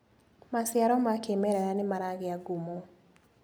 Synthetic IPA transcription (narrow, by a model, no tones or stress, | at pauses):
masɪaɾɔmakemɛɾɛɾanɪmaɾaɡɪaɡumo